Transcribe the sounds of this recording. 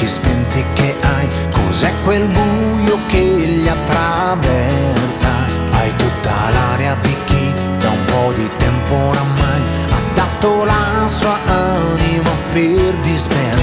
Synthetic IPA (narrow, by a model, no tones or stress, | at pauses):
ispɛnt̪ikːeʔaj | ko̰zɛkːwelbujokeʎːiat̪ːɾavɛrsa | ajt̪ut̪ːa̰laɾjad̪ik̟ːi | d̪aumpɔd̪it̪ɛmpoɾamaj | ad̪ːat̪ːolasuaanimaperd̪ispɛ